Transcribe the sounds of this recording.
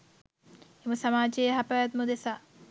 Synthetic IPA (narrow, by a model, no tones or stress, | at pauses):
emusamaːd͡ʒejɦapajat̪mud̪esaː